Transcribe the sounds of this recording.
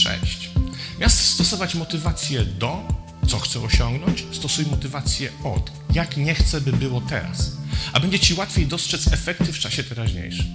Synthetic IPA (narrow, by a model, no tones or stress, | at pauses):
ʂɛ̰ɕt͡ɕmʲjast̪st̪ɔsɔvat͡ɕmɔt̪ɘvat̪sʲjɛd̪ɔ | t̪sɔxt̪sɛɔɕɔŋɡnɔɲt͡ɕst̪ɔsujmɔt̪ɘvat̪sʲjɛɔ̰t̪ | jakɲɛxt̪sɛbɘbɘwɔt̪ɛ̰ɾa̰sabɛɲd͡ʑɛt͡ɕiwat̪fʲjejd̪ɔstʂɛt̪sɛfɛkt̪ɘft͡ʂaɕɛt̪ɛɾaʑɲḛjʂɘm